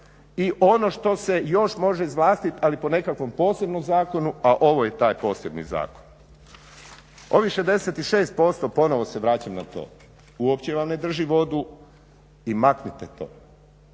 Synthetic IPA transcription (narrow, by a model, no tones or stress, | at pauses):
iʔo̞no̞ʃt̪o̞se̞jo̞ʃmo̞ʒeizʋlˠaːst̪it̪alipo̞ne̞kakʋo̞mpo̞ːse̞bno̞mzaːko̞nuaʔo̞ʋoje̞t̪aːjpo̞ːse̞bnḭza̰ːko̥n | o̞ʋiʃezd̪e̞set̪iʃe̞ːst̪̚po̞st̪opo̞no̞ʋoseʋɾaːt͡ɕamnat̪o̰ː | uopt͡ɕeʋamne̞d̪r̩ʒiʋo̞d̪u | imaknit̪et̪o̰ː